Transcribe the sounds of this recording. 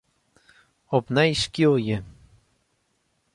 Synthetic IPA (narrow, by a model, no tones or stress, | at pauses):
opnaiʃkioje